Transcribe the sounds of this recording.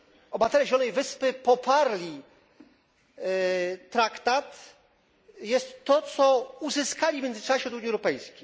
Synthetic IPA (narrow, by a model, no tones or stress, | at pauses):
ɔbat̪ɛɾɛʑɛlɔnɛjvɘspɘpɔpʰaɾlʲi | t̪ɾakt̪at̪ | jɛst̪ːɔt̪sɔuzɘskalʲimʲjɛnd̪z̥t͡ʂaɕɛɔd̪uɲjiɛwɾɔpɛjskʲej